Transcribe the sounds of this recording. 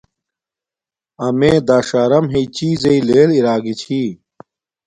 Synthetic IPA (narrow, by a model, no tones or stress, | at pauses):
ɐmeːd̪aːʂaːɾɐmɦeit͡ɕiːzeileːliɾaːɡit͡ɕʰiː